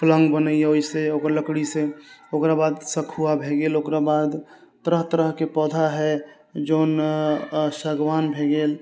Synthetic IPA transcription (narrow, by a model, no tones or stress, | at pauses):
plə̃ŋɡbənəeoiseokəɾləkɽiseokɾabad̪səkʰuabʱeɡelokɾabad̪ | t̪əɾəɦt̪əɾəɦkepɔd̪ʱaɦɛ | d͡ʒoːn | səɡwanbʱeɡeːl